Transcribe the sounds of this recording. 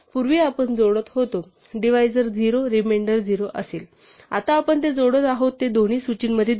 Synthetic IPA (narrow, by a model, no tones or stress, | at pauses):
puɾʋiːapəɳd͡zoɽət̪hot̪o | ɖiʋ̤ajd͡zəɾd͡ziɾoɾimeɳɖəɾd͡ziɾoʔə̰seːl | a̰t̪aːpəɳt̪̬ed͡zoɽət̪aɦot̪ːed̪oɽ̃iːsut͡ɕiːnməd̪ʱːje